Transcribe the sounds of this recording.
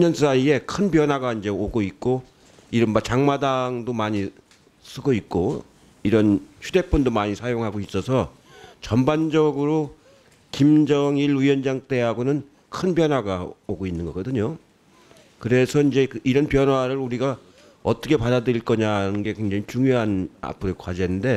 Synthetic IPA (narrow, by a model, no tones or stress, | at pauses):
ɲʌns͈aie̞kʰɯnpjʌnwaɡaind͡ʑe̞oɡoik̚k͈o | iɾʌnbat͡ɕaŋmadaŋdomaɲi | s͈ʰɯɡʌit̚k͈o | iɾʌnɕʰude̞pʰundomaɲisʰajoŋɦaɡois͈ʌsʰʌ | t͡ɕʌmband͡ʑʌɡɯɾo | kimd͡ʑʌŋilɥiʌnd͡ʑaŋt͈e̞ɦaɡonɯn | kʰɯnp̬jʌnwaɡaoɡoinːɯnɡʌkʌdɯɲo | kɯɾe̞sʰʌind͡ʑe̞kɯiɾʌnpjʌnwaɾɯɾuɾiɡa | ʌt͈ʌkʰe̞padadɯɾiɭk͈ʌɲanɯnɡe̞kweŋd͡ʑaŋit͡ɕuŋjoɦana̰pʰɯɾokwad͡ʑenɯnde̞